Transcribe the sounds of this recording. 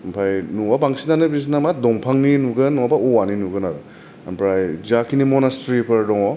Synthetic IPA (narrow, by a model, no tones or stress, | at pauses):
pʰajnuwabaŋsinanɯbisnamat̚dɔŋpʰaŋninuɡɯnːɔabauwaninuɡɯnaɾɯ | ampɾajzakʰinimɔnastɾipʰɐɾdɔŋɔ